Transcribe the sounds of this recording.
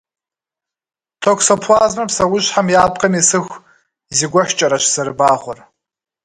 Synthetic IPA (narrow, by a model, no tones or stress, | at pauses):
tʰokʷʰsopʰʷaːzmapʰsawʊʒʷħamjaːpʼqʼamisɨxʷ | iziɡʷaħʷᶣt͡ʃʼaɾaʃsarbaːχʷʊr